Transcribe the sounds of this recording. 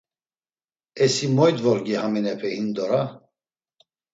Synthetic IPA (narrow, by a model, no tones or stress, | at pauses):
ɛsimɔjd̪vɔɾɡihaminɛpʰɛhind̪ɔɾa